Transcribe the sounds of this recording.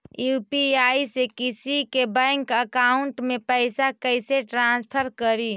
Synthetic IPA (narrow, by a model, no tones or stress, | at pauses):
jupiaisekisikebəŋkəkauɳʈmepəɪsakəɪseʈɾãnspʰəɾkəɾi